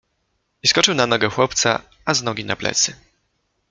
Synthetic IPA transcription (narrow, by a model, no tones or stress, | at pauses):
iskɔt͡ʂɘwnanɔɡɛxwɔp̚t̪sa̰ | aznɔɡʲina̰plɛ̰t̪sɘ